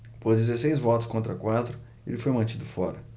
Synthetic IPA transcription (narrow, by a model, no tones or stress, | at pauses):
pozd̪izesejzvɔt̪ʊ̥skõnt̪ɾɐkwat̪ɾʊ | ḛlɪfojmɐ̃nt͡ʃid̪ʊfɔ̰ɾɐ